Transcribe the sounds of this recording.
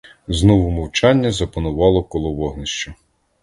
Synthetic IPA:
znɔʋʊmɐwt͡ʃɑnʲːɐzɐpɐnʊʋɑlˠɔkɔlˠɔʋɔɦnɪʃt͡ʃɔ

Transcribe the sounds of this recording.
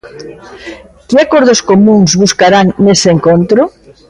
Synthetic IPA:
keakoɾð̞oskomũŋzβuskaɾaŋneseŋkõnt̪ɾo

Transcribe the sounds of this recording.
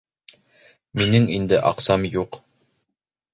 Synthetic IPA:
minɘŋind̪ɘʔɑqsɑmjuq

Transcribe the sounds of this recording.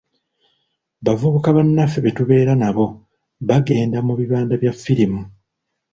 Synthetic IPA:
βavuβukaβanːafːeβe̞tuβe̞ːɾanaβo̞ | βaɡe̞ːndamuβiβaːndaβjafːiɾimu

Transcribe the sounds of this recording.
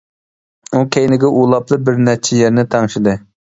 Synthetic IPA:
ukʲʰejnɪɡʲɛʔulˠɑplˠɨbɪɾnɛt͡ʃʰɛjeɾnɪt̪ʰɑŋʃɪd̪ɨ

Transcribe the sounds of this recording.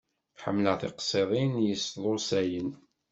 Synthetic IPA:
ħə̰mːləʁθɪ̰qsˤeðˤinjəsðˤosæjən

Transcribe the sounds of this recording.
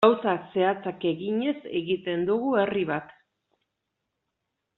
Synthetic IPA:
awsakse̞at͡sake̞ɣiɲe̞se̞̰ɣit̪e̞nd̪uɣue̞riβ̞at̪

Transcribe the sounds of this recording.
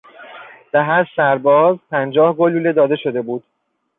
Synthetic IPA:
d̪̥æɦæɾsæɾbɒːzpʰænd͡ʒɒːhɡo̞lːuːle̞d̪ɒːd̪e̞ʃo̞d̪e̞buːd̪̥

